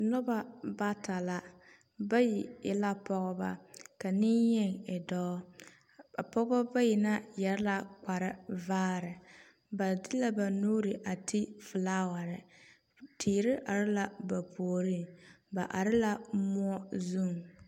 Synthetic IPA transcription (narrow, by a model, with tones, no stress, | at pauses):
nɔ˦ba˨ba˦ta˨la˦ | ba˦ji˨ɪ̰˨la˦pɔ˦ɣɔ˦ba̰˦ka˨niɪ˦jɛ˦ŋɪ˨dɔ˦ | a˨pɔ˦ɡba˦ba˦ji˨na˦jɛ˨ɾla˦k͡pa˨ɾɪ˦vaː˦ɾɪ˨ | ba˨dɪ˦la˦ba˨nuː˦ɾɪ˨ʔa˨tʰi˦fɨ˨laː˦wa˨ɾɪ˨ | tʰiː˨ɾɪ˦ʔa˨ɾɪ˦la˦ba˨po˨o˨ɾi˦˨ | ba˨ʔa˨ɾɪ˦la˦mʊ˦ɔ˦zu˦˨ŋ˨